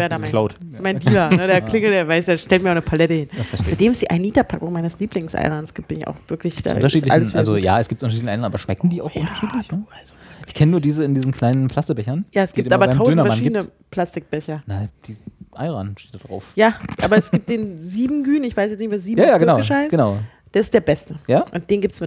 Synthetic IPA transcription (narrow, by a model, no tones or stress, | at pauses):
veːɐdaːmalaʊtmaɪndːlɐnədeɐklɪŋl̩deːɐvaɪsd̥eːɐʃtɛltmiɐʔaʊnəpʰalɛtəhɪnɛɐad̥eːmɛsd̥iːʔa̰ɪnːiːtɐpʰakʊŋmaɪnəsliːplɪŋsʔa̰ɪʁaːnsɡ̥iːp̚t̚ɪnɪça̰ʊxv̥ɪɐklɪçd̥a̰ɐʃiːtla̰lʔa̰llzoja̰ːɛsɡ̥ip̚tʔʊntɐʃilnʔaɪnaːbɐʃmɛkŋ̩diːa̰ʊxʔʊntɐʃiːtlɪnəalz̥oʔɪçkʰɛnənuːɐdiːzəɪndiːzn̩kʰl̥aɪnənpʰl̥astəbɛçɐnjaːɛsɡ̥iːptːʔaːbɐaɪtmaʊdøːnɐfɛɐnidənəpʰl̥astɪk̚b̥ɛçɐnad̥iːʔaɪʁaːnʃteːt̚dad̥ʁa̰ʊfjaːʔaːbɐɛsɡ̥iːp̚t̚d̥eːnziːbm̩ɡyːnɪçv̥aɪsjɛt͡snɪçtv̥eːɐziːbjaːjaːɡənaʊəʃaɪɡ̥ənaʊ | d̥eːɐɪstd̥eːɐbɛstəjaːʔʊnt̚d̥eːnɡiptsmɪt